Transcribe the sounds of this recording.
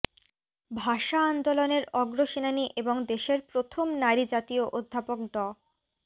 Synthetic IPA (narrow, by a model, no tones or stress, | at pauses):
bʱaʃaand̪oloneɾɔɡɾoʃinaniʔeboŋd̪eʃeɾpɾot̪ʰomnaɾid͡ʑat̪ioʔod̪ʱːapok̚ɖɔ